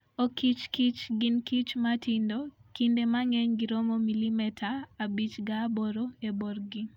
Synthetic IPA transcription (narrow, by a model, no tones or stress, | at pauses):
okʰit͡ʃkit͡ʃɡɪnkit͡ʃmatʰindokindemaŋɛɲɡiɾomomilimɛtʰaːbit͡ʃɡaboɾoeborɡi